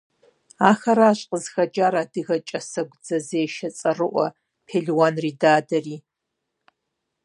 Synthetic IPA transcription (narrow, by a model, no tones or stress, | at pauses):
aːxɐɾaːɕʼqəzxɐd͡ʒʼaːɾaːdɨɣɐt͡ʃʼɐsɐɡʷd͡zɐzeːʃɐt͡sʼɐrɨʔʷɔ̰ | pʰeːɮwanriːdaːdɐriː